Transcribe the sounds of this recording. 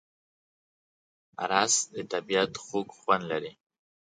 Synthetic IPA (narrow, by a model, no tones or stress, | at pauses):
a̰ɾɑsd̪ət̪abiat̪xokxwand̪laɾi